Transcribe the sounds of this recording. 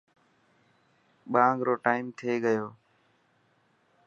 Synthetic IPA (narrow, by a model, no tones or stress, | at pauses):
ɓaːŋɡɾoːʈaːɪmt̪ʰeːɡəjoː